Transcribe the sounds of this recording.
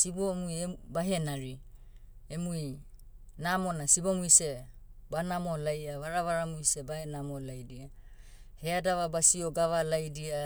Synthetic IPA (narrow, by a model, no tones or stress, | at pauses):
sibomujebaɦe̞naɾi | emui | namo̞nasibomuise̞ | banamo̞lajaβaɾaβaɾamuise̞bahenamolajdia | headaβabasioɡaβalajdia